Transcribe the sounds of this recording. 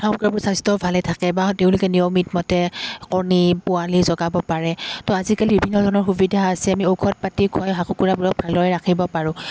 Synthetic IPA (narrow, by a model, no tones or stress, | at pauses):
akabʊɹsastɔbʱalɛtʰakɛbateʊ̃lʊkɛniomitmɔtɛkɔɹnipʊalizɔɡabɔpaɹɛtɔazikalibibʱinːɔdʱɔɹɔnɔɹxubidʱaːsɛamiokʰɔt̚patikʰwajɦakukuɹabuɹɔk̚bʱalɔɛɹakʰibɔpaɹʊ̃